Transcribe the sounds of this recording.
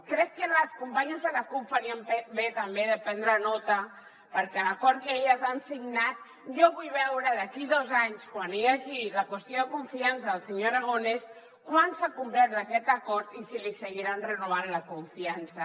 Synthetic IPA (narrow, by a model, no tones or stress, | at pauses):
kɾɛkːənləskumpaɲəzðəlakupfaɾiəmebet̪əmbeðəpɛnd̪ɾənɔt̪ə | pəɾkɛlakɔɾt̪̚keʎəzansiɡnat̪̚ | ʒɔβujβɛwɾəðəkiðɔzaɲskwanijaʒiləkwəst̪joðəkuɱfiansəːlˠsəɲoɾaɣ̞ones | kwansakumplɛt̪̚d̪əkɛt̪əkɔɾt̪isilisəɣiɾanrənuβ̞anləkuɱfiansə